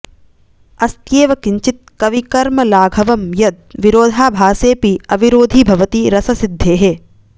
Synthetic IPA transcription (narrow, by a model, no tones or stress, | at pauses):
ɐst̪jeːʋɐkiɲt͡ʃit̪̚kɐʋikɐɾmɐlaːɡʱɐʋɐmjɐd̪̚ʋiɾoːd̪ʱaːbʱaːseːpiɐʋiɾoːd̪ʱibʱɐʋɐt̪iɾɐsɐsid̪ʱːeːɦeː